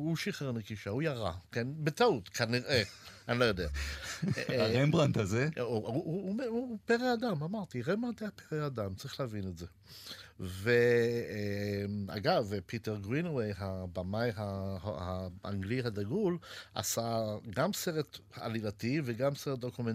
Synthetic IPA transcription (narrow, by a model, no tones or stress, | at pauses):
uʃiχeʁnekiʃaujaʁa̰kenbetautkʰaniʁeanlojodea | aʁembʁant̪azeuumeupeʁeadamamaʁt̪iʁembʁant̪eapeʁeadamt͡saʁiχleavinetze | ve | ma̰ɡavpiteʁɡʁinwejɦabamajɦaahaʔa̰ŋɡliɦad̪aɡulʔa̰saɡamseʁet̪haalilativeɡamseʁet̪̚d̪okumen